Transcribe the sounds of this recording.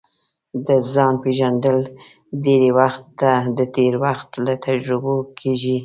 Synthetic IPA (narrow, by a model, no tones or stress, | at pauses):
d̪əzɑnpeʒand̪əl | d̪eɾewaxt̪ːad̪ət̪eɾwaxt̪lat̪ʰad͡ʒɾʊbokʰeʒi